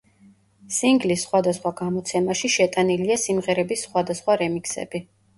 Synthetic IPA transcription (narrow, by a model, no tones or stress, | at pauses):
siŋɡlisːχwad̪asχwaɡamɔt̪sʰɛmaʃiʃɛt̪ʼaniliasimʁɛɾɛbisːχwad̪asχwaɾɛmiksɛ̰b̥i